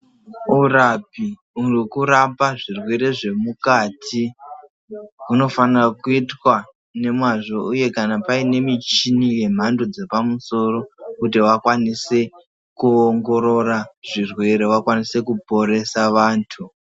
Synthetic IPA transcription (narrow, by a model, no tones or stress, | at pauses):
urap̚i | urikuɾapaʐirwe̞ɾe̞ʐe̞mukaːtʰi | uno̞fanrakuitwa | ne̞mwaʐo̞uje̞kanapaine̞mit͡ʃinije̞m̤andod͡ze̞pamuso̞ɾo̞kut̬iwakwanise̞ | kuoŋɡo̞ɾo̞raʐirwe̞ɾewakwanise̞kupo̞ɾe̞saʋaːntʰu